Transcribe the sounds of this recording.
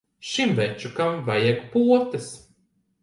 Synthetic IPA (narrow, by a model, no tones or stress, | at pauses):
ʃimvɛt͡ʃukamvajɛɡpuɔt̪ɨs